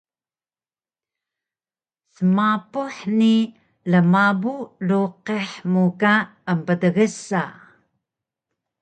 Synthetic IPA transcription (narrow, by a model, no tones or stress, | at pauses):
səmapuħni | ləmabuluqeħmukaəmpədəɣəsa